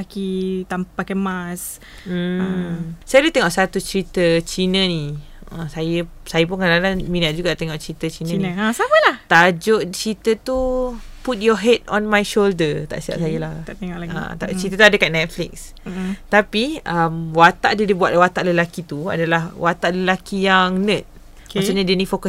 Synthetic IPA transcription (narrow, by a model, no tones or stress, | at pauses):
akit̪ampakamas | m̩ | sajadut̪ɛŋɔʔsat̪ut͡ʃɾit̪ət͡ʃinə̃ni | ə̃sajə | sajəp̬unkadalanmĩnat̪̚d͡ʒuɡaʔt̪ɛŋɔʔt͡ʃɾit̪ət͡ʃinə̃nasapəlaht̪ad͡ʒoʔt͡ʃɾit̪ət̪u | put̪̚jɔɦɛdɔ̃nmajʃoldət̪a̰ʔsia̰ʔsajəlah̪ŋã̰t̪at͡ʃɾit̪ət̪uadəkannɛt̪̚flɪk̚s | t̪apiəmwat̪aʔdədibuaʔ̪̚wat̪aʔləlakit̪ua̰dalahwat̪aʔləlakijaŋnə̃t̪̚ | kaksoɲadənifokəs